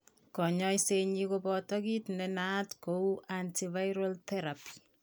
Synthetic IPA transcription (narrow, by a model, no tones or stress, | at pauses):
kɔɲɔjseɲikobɔtɔkitnɛnatkouʔantivajɾoltɛɾapi̥